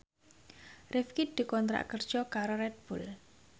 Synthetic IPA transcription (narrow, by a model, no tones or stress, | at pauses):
rɪfkid̪̥i̤kɔnt̪ɾa̰ʔkərd̥ʒ̥ɔkaɾoɾɛt̪̚b̥ul